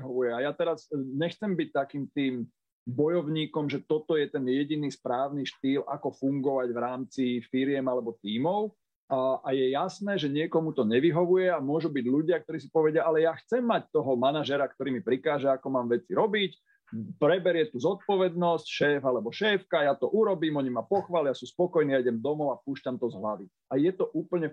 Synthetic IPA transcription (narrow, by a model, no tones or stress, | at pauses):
ɦɔʋujɛajat̪ɛɾazɲɛxt͡sɛmbic̚t̪akiːmt̪iːm | bɔjɔʊɲiːkɔmʒɛt̪ɔt̪ɔjɛt̪ɛnjɛɟiniːspɾaːʊniʃt̪iːla̰kɔfuŋɡɔʋaɟvɾaːmt͡sifiɾɪjɛmalɛbɔt̪iːmɔʊ | aʔajɛjasnɛːʒɛɲɪɛkɔmut̪ɔɲɛʋiɦɔʋujɛamʊɔʒubiɟʎuɟɪak̚t̪ɔɾiːs̬ipɔʋɛɟɪaʔalɛjaːxt͡sɛmːac̚t̪ɔɦɔmanaʒɛɾakt̪ɔɾiːmipɾikaːʒɛakɔmaːmʋɛt͡siɾɔbic | pɾɛbɛɾɪɛt̪uːzɔt̪̚pɔʋɛd̪nɔscʃɛːfalɛbɔʃɛːfkajaːt̪ɔʔuɾɔbiːmɔɲimapɔxʋaːliasuːspɔkɔjniːaiɟɛmd̪ɔmɔʊapuːʃcamt̪ɔzɦlaʋi | ajɛt̪ɔʔuːpl̩ɲɛ